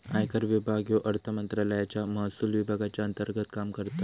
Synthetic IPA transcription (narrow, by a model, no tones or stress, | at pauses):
ajkəɾʋibʱaɡjoʔɐɾt̪ʰəmənt̪ɾələjat͡ɕamɐɦsulʋibʱaɡat͡ɕaənt̪əɾɡət̪kamkəɾt̪a